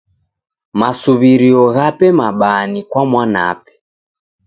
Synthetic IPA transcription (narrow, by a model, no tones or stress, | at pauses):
masuβiɾiɔɣapɛmaɓanikwamwana̰pɛ̥